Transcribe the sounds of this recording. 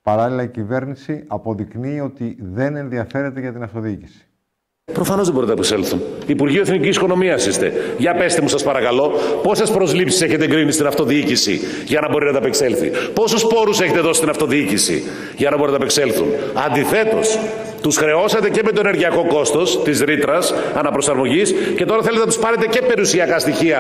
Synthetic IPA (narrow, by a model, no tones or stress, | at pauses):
pɐɾɐlilɐicive̞ɾnisiɐpo̞ðiknio̞t̪iðe̞ne̞nðiɐfe̞ɾe̞t̪e̞ʝɐt̪inɐft̪o̞ðiicisi̥ | pɾo̞fɐno̞zðebɾinɐpekselθunːpuɾʝiueθnicisikono̞miɐsist̪e̞̰ʝɐpe̞st̪emusɐspɐɾɐkɐlo̞po̞se̞spɾo̞zlipsiseçe̞t̪eɡɾimisit̪inɐft̪o̞ðiicisḭ | ʝɐnɐbo̞ɾinɐt̪ɐpekse̞lθḭpo̞suspo̞ɾuse̞çet̪eðo̞si̥t̪inɐft̪o̞ðiicisḭ | ʝɐnɐboinɐɐpekse̞lθṵnɐnd̪iθe̞t̪o̞̰s | t̪usxɾe̞o̞sɐt̪e̞ceme̞t̪o̞eneɾʝiɐko̞ko̞st̪o̞st̪izɾit̪ɾɐs | ɐnɐpɾo̞sɐɾmo̞ʝisce̞t̪o̞ɾɐθelet̪enɐt̪u̥spɐɾe̞t̪ece̞pe̞ɾiusiɐkɐst̪içiɐ